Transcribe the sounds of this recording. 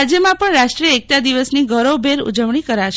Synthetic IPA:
d͡ʒjəmãpəɳɾaʃʈɾiəek̚t̪ad̪iʋəsniɡʱəɾobʱeɾṵd͡ʒəʋɳikəɾaʃ

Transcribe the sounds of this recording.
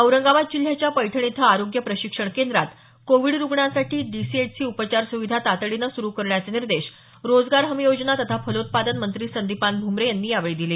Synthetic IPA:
əwɾəŋɡaʋat̪̚d͡ʑil̤jat͡ɕjapəjʈʰəɳ̃it̪ʰəaɾoɡjəpɾəɕikʂəɳkend̪ɾat̪ | koʋiɽɾuɡɳasaʈʰiːɖisieʈ̚t͡siːupət͡ɕaɾsuʋid̪ʱat̪at̪ɭinəsuɾukəɾɳjat͡seniɾd̪eɕ | ɾod͡zɡaɾɦəmijod͡ʑnat̪ət̪ʰafəlot̪̚pad̪ənmənt̪ɾiːsənd̪ipanbʱumɾejanːiːaʋɭid̪ile

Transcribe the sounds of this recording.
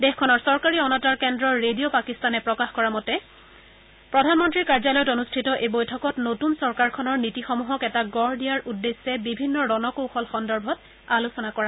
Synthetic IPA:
dɛxkʰɔnɔɹsɔɹkaɹiɔnataɹkɛndɹɔɹːedijopakistanɛpɹɔkaxkɔɹamɔtɛ | pɹɔdʱanmɔntɹikaɹzalɔjɔtonustʰitɔʔebojtʰɔkɔtnotunsɔɹkaɹkʰɔnɔɹnitixɔmuɦɔkɛtaɡɔɹdijaɹʔudːesːɛbibʱinːɔɹɔnɔkowxɔlxɔndɔɹbʱɔt | alusɔnakɔɹa

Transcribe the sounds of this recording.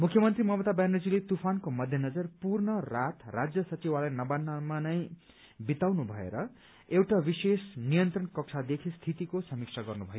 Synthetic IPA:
mukʰjʌmʌnt̪rimʌmʌt̪abajnʌd͡zilet̪upʰankomʌd̪ʱjʌnʌd͡zʌrpurnʌrat̪rad͡zjʌsʌt͡sibalajnʌbanːamanʌj̃ | bit̪awnubʱʌḛɾʌ | ewʈabisesnijʌnt̪rʌnkʌk̚sʰad̪ekʰist̪ʰit̪ikosʌmik̚sʰaɡʌrnubʱʌj

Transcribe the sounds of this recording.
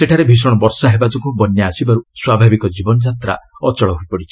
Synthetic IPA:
seʈʰaɾebʱis̬ɔɽ̃ɔbɔɾsaɦebad͡ʒɔŋkubɔnjaːsibaɾuswabʱabikɔd͡ʒibɔnɔd͡ʒat̪ɾa̰ɔt͡ʃɔɭɔɦuipɔɽit͡ʃʰi̥

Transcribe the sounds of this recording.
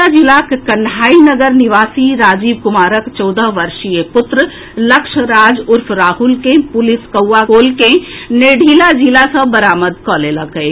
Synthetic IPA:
ad͡ʒilakkənɖʱaːinəɡəɾniʋaːsiɾaːd͡ʒibkʊmaːɾəkt͡ʃɔːd̪əɦʋəɾʃijepʊt̪ɾə | ləkʃɾaːd͡ʒʊɾpʰɾaːɦulkẽpʊliskəwːakoːlkẽneɖʱilad͡ʒilasə̃bəɾaːməd̪kɔleləke

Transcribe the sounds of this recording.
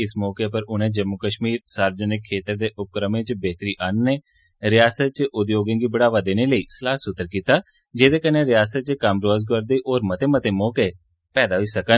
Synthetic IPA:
ɪsmɔːkepəɾʊnẽːd͡ʒəmːʊkəʃmiːɾsaːɾd͡ʒənɪkʰːeːt̪əɾd̪eːʔʊp̚kɾəmẽːt͡ʃbeːt̪əɾiːʔaːnːeː | ɾɪjaːsət̪̚t͡ʃəʔʊd̪joːɡẽːɡiːbəɽaːʋaːd̪eːneləiːsəlaːsʊt̪ːəɾkiːt̪aː | d͡ʒeːd̪eːkənːeːɾɪjaːsət̪̚t͡ʃəkəmɾoːzɡoɾd̪eːʔoːɾmət̪eːmət̪eːmɔːkeː | pɛːd̪aːɦʊiːsəkə

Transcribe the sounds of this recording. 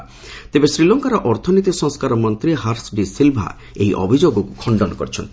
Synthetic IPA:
t̪ebesɾilɔŋkaɾɔʔɔɾt̪ʰɔnit̪̬isɔŋskaɾɔmɔnt̪ɾiɦaɾsɖisilbʱa̰ | ejʔɔ̰bʱid͡ʒoɡɔku̥kʰɔɳɖɔnɔkɔɾit͡ʃʰɔnt̪i

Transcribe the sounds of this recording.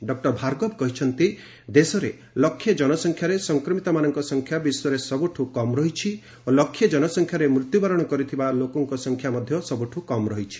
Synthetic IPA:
ɖɔk̚ʈɔɾbʱaɾɡɔbkɔɦit͡ʃʰɔnt̪i | d̪esɔɾe | lɔkʰːjed͡ʒɔnɔsɔŋkʰjaɾesɔŋkɾɔmit̪ɔmanɔŋkɔsɔŋkʰjabisɔɾesɔbuʈʰukɔmɾɔɦit͡ʃʰi | olɔkʰːjed͡ʒɔnɔsɔŋkʰjaɾemɾut̪jubaɾɔɽ̃ɔkɔɾit̪ʰibalokɔŋkɔsɔŋkʰjamɔd̪ʱjɔsɔbuʈʰukɔmɾɔɦit͡ʃʰi̥

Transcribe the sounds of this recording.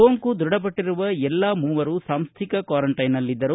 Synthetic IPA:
oːŋkud̪ɾuɽɐp̬ɐʈːiɾuʋɐɛlːaːmuːʋɐɾusaːmst̪ʰikɐkʋaːɾɐɳʈɐjnɐlːid̪ːɐɾu

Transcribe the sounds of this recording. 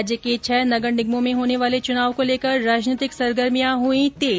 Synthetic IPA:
d͡ʒjəket͡ʃʰɛɦnɐɡəɽɖɪɡmõmẽɦoːneʋaːlet͡ʃʊnaːʋkoleːkəɾːaːd͡ʒniːt̪ɪksɐɾɡəɾmijãɦuĩt̪eː

